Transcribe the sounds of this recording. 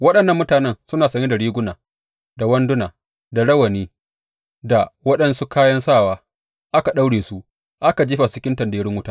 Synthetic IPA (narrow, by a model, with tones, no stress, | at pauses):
wɐ˦ɗɐ˨nːɐ˦mːʊ˦taː˨nɛ˦nsʊ˦naː˨sɐ˦ɲe˦da˨ɽiː˦ɡʷʊ˦naː˨ | da˨wɐ˦ndʊ˦naː˨ | da˨ɽɐ˦wɐ˨niː˦ | da˨wɐ˦ɗɐ˦nsu˦kaː˦jɐ˦nsaː˦˨waː˦ | ʔa˦ka˨ɗa˦wɽeː˨su˦ | ʔa˦ka˨d͡ʒi˦ɸa˨sɪ˦kʲɪ˦ntɐ˨ndeː˨˦ɾɪ˦ŋwʊ˦taː˦